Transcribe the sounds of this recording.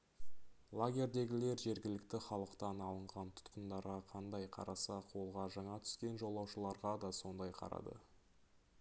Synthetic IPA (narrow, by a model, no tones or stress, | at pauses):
lˠaɡʲe̞ɾd̪e̞ɡʲɪle̞ɾʒe̞ɾɡʲɪlɪkt̪ɪχɑlˠəqt̪ɑnɑlˠəɴʁɑnt̪ʰʊ̥t̪qənd̪ɑɾʁɑqʰɑnd̪ɑjqʰɑ̰ɾɑsɑqʰolˠʁɑʒɑɴɑt̪ʰʏ̥skʲe̞nʒo̞lˠːɑwʃəlˠɑɾʁɑd̪ɑso̞nd̪ɑjqʰɑ̰ɾɑ̰d̪ə̰